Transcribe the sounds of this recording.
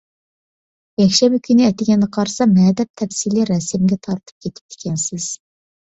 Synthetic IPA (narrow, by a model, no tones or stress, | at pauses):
jɛkʲʃɛmɪkʲʰynɪɛt̪ɪɡʲɛnːɛqʰɑɾsɑmɛːd̪ɛp̚t̪ʰɛfsiliɾɛsɪmɡʲɛt̪ʰɑɾt̪ʰɨ̥p̚kʲʰet̪ʰɪ̥p̚d̪ɪ̥kʲʰɛnsɪz̥